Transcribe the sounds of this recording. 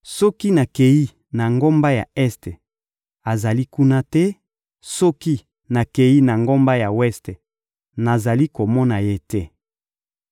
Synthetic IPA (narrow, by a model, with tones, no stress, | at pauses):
sɔ˦ki˦na˨ke˨ji˦ | na˨ŋɡo˦mba˦ja̰˨ɛ˦ste˨ | a˨za˨li˦ku˦na˦tɛ˦ | sɔ˦ki˦ | na˨ke˨ji˦na˨ŋɡo˦mba˦ja˨wɛ˦ste˨ | na˨za˨li˦ko˨mɔ˦na˨je˦tɛ˦